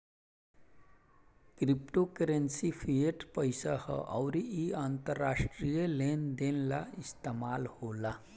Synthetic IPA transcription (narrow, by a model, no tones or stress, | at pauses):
kɾipʈokəɾensifʰieʈpəjsahə̰ʔəwɾiiaːnt̪əɾːaʂʈɾijəlend̪enlaist̪emalhola